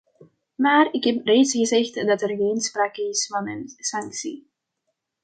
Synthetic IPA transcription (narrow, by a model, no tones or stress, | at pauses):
maːrɪkɦɛpreːtsɣəzɛxtdɑtərɣeːnspraːkəɪsfɑnənsɑŋksḭ